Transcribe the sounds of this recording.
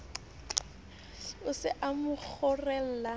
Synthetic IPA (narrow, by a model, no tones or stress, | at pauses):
ʊsɪʔamʊk͡xʰʊrɛl̩la